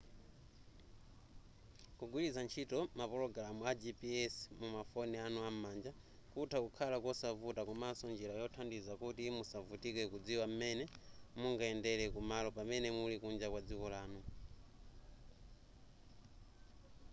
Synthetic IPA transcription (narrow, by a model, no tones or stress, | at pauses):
kuɡwilizant͡ʃʰitɔmapɔlɔɡalamuad͡ʒipiɛsmumafɔnɛanuamand͡ʒa | kutʰakukʰalakɔsavutakumasɔnd͡ʒilajɔtʰandizakutimusavutikɛkud͡ziwam̩mɛnɛmuŋɡaɛndɛlɛkumalɔpamɛnɛmulikund͡ʒakwad͡zikɔlaːnu